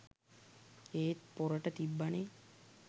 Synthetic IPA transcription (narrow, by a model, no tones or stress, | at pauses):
eːt̪poɾəʈət̪ibːane